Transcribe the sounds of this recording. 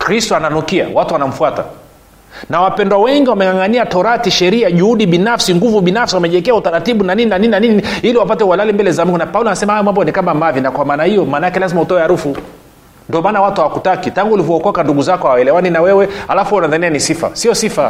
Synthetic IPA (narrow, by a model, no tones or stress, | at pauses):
kɾistɔananukia̰watuwanam̩fuata̰ | nawapɛndwawɛŋɡiwamɛŋɡaŋɡaniatɔɾatiʃɛɾiaʄuhuɗiɓinafsiŋɡuvuɓinafsiwamɛʄɛɛkɛautaɾatiɓunanininanininaniniiliwapatɛwalalimbɛlɛzam̩iŋɡunapaulɔanasɛmahajɔmwambɔnikamamavinakwamaːnahijɔmaːnaakɛlazimahutɔwɛhaɾufu | ndiɔmaːnawatuhawakutakitaŋɡulivɔɔkɔkanduɡuzakɔhawaɛlɛwaninawɛwɛhalafuunaðanɛanisifa̰siɔsifa